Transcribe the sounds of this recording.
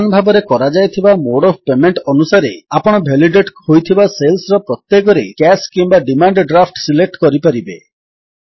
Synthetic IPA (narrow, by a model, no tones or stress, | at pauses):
nbʱabɔɾekɔɾad͡ʒajt̪ʰibamoɽɔbpemeɳʈɔnusaɾeapɔɽ̃ɔbʱeliɖeʈhojt̪ʰibaselsɾɔpɾɔt̪jekɔɾekɛskimbaɖimaɳɖɖɾapʰʈsilek̚ʈkɔɾipaɾibe